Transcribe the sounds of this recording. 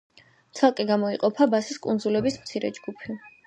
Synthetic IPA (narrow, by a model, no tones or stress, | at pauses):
t̪sʰalˠkʼɛɡamɔiqʼɔpʰabasiskʼund̪zulɛbismt̪sʰiɾɛ̰d͡ʒɡupʰi